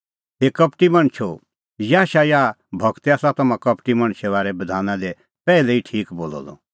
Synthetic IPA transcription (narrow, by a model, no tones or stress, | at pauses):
ɦekɐpʈimɐɽ̃t͡ʃʰo | jaːʃajaː | bʱɐɡt̪aːsãt̪ɐmãkɐpʈimɐ̃ɽ̃t͡ʃʰɛʋaːɾɛbɐd̪ʱaːnãd̪e | pɛːlɛiʈʰiːkboːlɔ̰lɔ̰